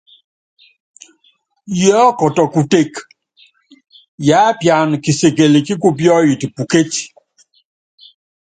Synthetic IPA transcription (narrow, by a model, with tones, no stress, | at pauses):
jɔː˦kɔ˨tɔ˨ku˨te˦˨k | ja˨˦pja˨n˨ki˨se˨ke˨li˨ki˦k̬u˦p̬jɔ˦ji˨ti˨pu˨ke˦ti˨